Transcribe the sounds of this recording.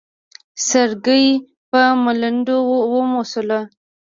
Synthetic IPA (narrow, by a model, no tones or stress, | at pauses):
səɾɡəj | pəmələndowəmosəla